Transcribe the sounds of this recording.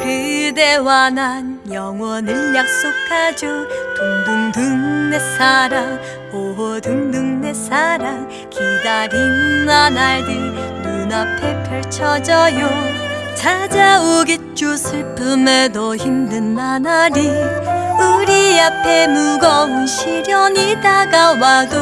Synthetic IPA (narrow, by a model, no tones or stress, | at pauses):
kɯde̞wanɦanjʌŋwʌnɯɭjak̚s͈okʰːad͡ʑot̪oŋduŋdɯŋne̞saɾam | oɦʌdɯŋdɯŋnesaɾam | kiɡaɾiŋmanaɭdinunapʰepʰjʌɭt͡ɕʰʌd͡ʑʌjot͡ɕʰad͡ʑaoɡet̚t͡ɕusʰɯɭpʰɯmedoçimdɯnmanaɾi | ɯɾiapʰemuɡʌunɕʰiɾjʌɲidaɡawado